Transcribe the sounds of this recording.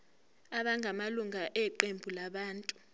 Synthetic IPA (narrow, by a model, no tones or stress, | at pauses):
aɓaŋɡʱamaluŋʱaʔɛǃembʱulaɓaːntʼu